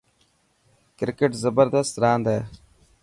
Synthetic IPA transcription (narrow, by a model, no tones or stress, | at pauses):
kɪɾkeʈzəbəɾd̪əst̪ɾaːnd̪ɛː